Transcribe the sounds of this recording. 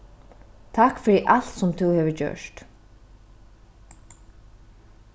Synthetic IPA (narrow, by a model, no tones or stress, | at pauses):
t̪ʰakfɪɾɪʔal̥t̪sʊmt̪ʰuwhɛːvəcœ̰ʂt̪